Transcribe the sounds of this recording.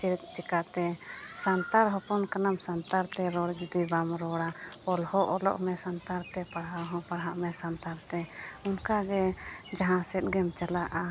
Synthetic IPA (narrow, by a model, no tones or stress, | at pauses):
t͡ʃiɾt̪̚t͡ʃikat̪ɛsant̪aɾɦɔpɔnkanamsant̪aɾt̪ɛɾɔɽd͡ʒud̪ibamɾɔɽaɔlhɔʔɔlɔ̰ʔmɛsant̪aɾt̪ɛpaɽɦaɦɔ̃paɽɦaʔmɛsant̪aɾt̪ɛunkaɡɛd͡ʒaɦãsɛt̪̚ɡɛmt͡ʃalaʔa